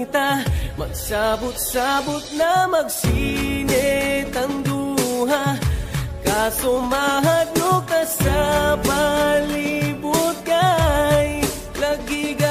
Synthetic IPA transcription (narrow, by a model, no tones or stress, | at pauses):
t̪amɐ̰ɡ̚sabʊt̪̚sabʊt̪̚namɐɡsinɛt̪ɐŋd̪uɦa | kasʊmaːɦat̪nokɐsapalɪbut̪̚kaj | lɐɡɪɡa